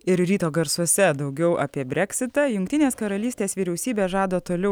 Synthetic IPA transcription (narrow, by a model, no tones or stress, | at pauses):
ɪɾɾʲiːt̪oːɡɐɾsuɔsʲɛd̪ɐʊɡʲɛʊʔaːpʲiɛbʲɾʲɛkʲsʲɪt̪ɑjʊŋkt̪ʲɪnʲeːskɐɾɐlʲiːsʲt̪ʲeːsʋʲiːɾʲɛʊsʲiːbʲeːʒɑːd̪oːt̪oːlʲɛʊ